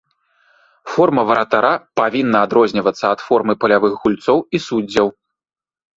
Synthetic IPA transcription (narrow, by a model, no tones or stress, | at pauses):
fɔrmɐvɐɾɐt̪aɾapavʲinːɐːd̪ɾɔzʲnʲivɐt̪sːɐːt̪fɔrmɨpɐlʲavɨxɣulʲt̪sɔwisud͡zʲːɐw